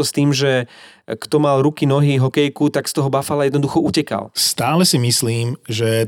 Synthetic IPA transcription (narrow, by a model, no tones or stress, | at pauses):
ɔst̪iːmʒɛkt̪ɔmalɾukinɔɦiɦɔkɛjkut̪akst̪ɔɦɔbafalajɛd̪nɔd̪uxɔʔucɛka̰lst̪aːlɛsimisliːmʒɛ